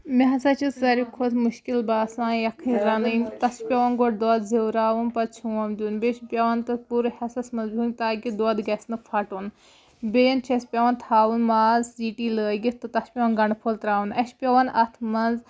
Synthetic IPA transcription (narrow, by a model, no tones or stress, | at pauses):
mʲeɦɐsɐt͡ʃʰiszɐɾikʰud̪muʃkilbaːsãːjɐkʰɨ̃ɾɐnɨnʲt̪ɐspʲɐʋɐnɡoʈ̚d̪oːd̪zewɾaːʋunpɐt͡ʃʰuwɐmd̪ʲunbʲeʃpʲjɐʋɐnt̪ɐspuːɾɨhɐsɐsmɐnzbʱʲunʲt̪aːɡʲid̪oːd̪ɡɐsnɨfʰɐʈun | bʲejɐnt͡ʃʰɐspʲɐʋɐnt̪ʰaːʋunmaːzziːʈiːləːɡʲit̪ɨt̪ɐspʲɐʋɐnɡɐɳpʰolt̪ɾaːwunɐʃpʲɐʋɐnʔɐt̪ʰmɐnz